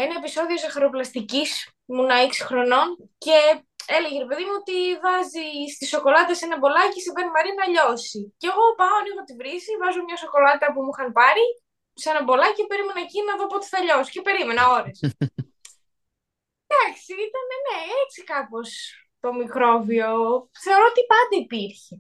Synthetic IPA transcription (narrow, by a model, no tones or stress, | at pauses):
enɐepiso̞ðiozɐxɐɾoplɐst̪icis | munɐeksi̥xɾo̞no̞nce̞ | eleʝeɾepe̞ðimuot̪ivɐzist̪iso̞ko̞lɐt̪ɐsenɐbo̞lɐcisibenimɐɾinɐɐʎo̞siceɣo̞pɐoɐnixot̪ivɾisivɐzomɲɐso̞ko̞lɐt̪ɐpumuxɐnpɐɾi | senɐbo̞lɐcepe̞ɾime̞nɐcinɐðopot̪i̥θɐʎo̞si̥ce̞pe̞ɾime̞nɐoɾes | d̪ɐksiit̪ɐnene̞et͡sikɐpo̞s | t̪o̞mikɾo̞vio̞θe̞o̞ɾo̞ot̪ipɐnd̪ɐipiɾçe